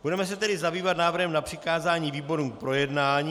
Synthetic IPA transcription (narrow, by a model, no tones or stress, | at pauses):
b̥udɛmɛs̬ɛt̪ɛdɪzabiːvat̪naːvr̩ɦɛmnapr̝̥ɪkaːzaːɲiːviːbo̞ɾuːpɾo̞jɛdnaːɲiː